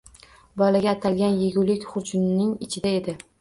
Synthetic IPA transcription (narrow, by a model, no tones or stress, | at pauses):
bɒlaɡʲaːt̪ʰalɡʲanjeɡʲʊlɪkʲχʊd͡ʒmnɪŋɪt͡ʃʰɪd̪ae̞d̪ɪ